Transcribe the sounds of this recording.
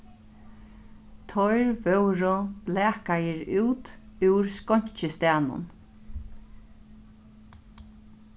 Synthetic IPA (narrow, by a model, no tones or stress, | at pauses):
t̪ʰɔjɹvœwɾʊb̥læːkajəɹʉːt̪ʉwɹskɔɲ̥t͡ʃəst̪æːnʊ̰n